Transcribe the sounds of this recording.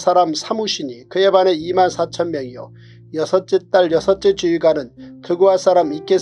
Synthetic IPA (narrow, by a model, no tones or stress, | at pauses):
s͈ʰaɾamsʰamuɕʰiɲikɯjebane̞imansʰat͡ɕʰʌnmjʌŋijo̰ | jʌsʰʌt͡ɕ͈et͈aɭjʌsʰʌt͡ɕ͈et͡ɕuiɡanɯnkɯɡuɦas͈aɾamik͈e